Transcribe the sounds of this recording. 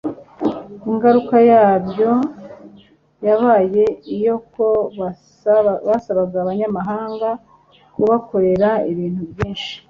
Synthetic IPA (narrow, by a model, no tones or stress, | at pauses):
iŋɡaɾukajaːβjo̞ | jaβaːje̞ijo̞ko̞ | βasaβaɡaːβaɲamaɦaːŋɡa | kuβakʰo̞ɾe̞ɾaiβiːn̥huβjiːnʃi̥